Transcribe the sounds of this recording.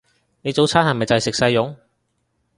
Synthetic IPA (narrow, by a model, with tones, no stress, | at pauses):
ne˨˧jt͡so˨˥wt͡sʰaː˥nhɐ˨˩mɐ˨˩jt͡sɐ˨jsɪ˨k̚sɐ˧jːʊ˨˥ŋ